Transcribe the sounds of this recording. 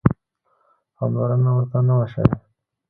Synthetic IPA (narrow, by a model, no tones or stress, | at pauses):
ha̰mlaɾanawəɾt̪anawaʃa̰we